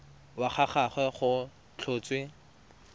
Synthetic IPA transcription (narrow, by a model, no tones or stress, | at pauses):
waχaχaχɛχʊ | t͡ɬʰoːt͡swe